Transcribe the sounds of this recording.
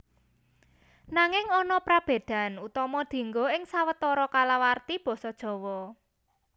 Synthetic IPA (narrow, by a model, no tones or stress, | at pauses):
naŋɪŋɔnɔpɾab̥e̤d̪̥a̤nut̪ɔmɔd̪̥e̤ŋɡoɪŋsawət̪ɔɾɔkalawart̪ib̥ɔ̤sɔd̥ʒ̥ɔ̤wɔ